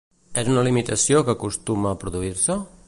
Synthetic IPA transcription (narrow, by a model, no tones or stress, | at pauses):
ɛzunəlimit̪əsiokəːkust̪uməːpɾuðuiɾsə